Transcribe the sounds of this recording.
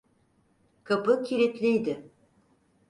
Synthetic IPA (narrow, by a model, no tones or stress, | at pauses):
kʰapɯcʰʲiɾit̪lʲijd̪ɪ